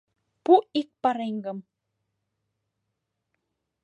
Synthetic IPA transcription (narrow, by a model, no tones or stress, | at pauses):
puik̚paɾeŋɡəm